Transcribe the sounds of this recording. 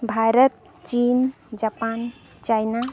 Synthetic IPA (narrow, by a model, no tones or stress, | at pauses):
bʱaɾət̪̚ | t͡ʃin | d͡ʒapan | t͡ʃajna